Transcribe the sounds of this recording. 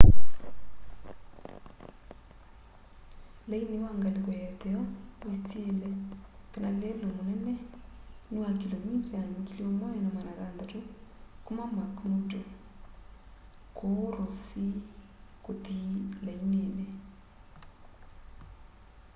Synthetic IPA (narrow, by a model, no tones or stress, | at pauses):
lainewaŋɡalikwɔjɛt̪ɛɔwiselɛkenalelomonɛnɛnuakilomitankilomɔnɛnamanaðand̪atokomamakmoto | koɾosi | kot̪ilainene